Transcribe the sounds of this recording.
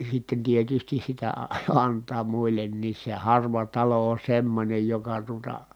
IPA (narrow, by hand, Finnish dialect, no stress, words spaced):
sitːen tietystis sitæ ɑ ɑntˑɑː muilˑenːiːs se hɑrʋɑ tɑlo on̞ semːonʲej jokɑ tuotɑ